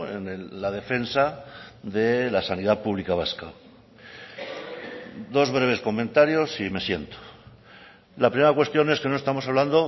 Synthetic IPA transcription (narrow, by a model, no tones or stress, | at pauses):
ḛneːaðe̞fe̞nsaðe̞lasaniðapuβlikaβ̞aska | d̪o̞zβ̞ɾe̞β̞e̞sko̞mẽ̞nt̪aɾjo̞sime̞sje̞nt̪o̥ | lapɾimeɾakwe̞st̪jo̞ne̞ske̞no̞est̪amo̞saβland̪o̞